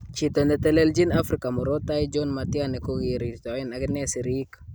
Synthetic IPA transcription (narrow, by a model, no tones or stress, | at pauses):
t͡ʃitondɛtɛlɛld͡ʒinafɾikamuɾotajd͡ʒonmatianɛkoɡiɾitɔinaɡɛnɛsiɾik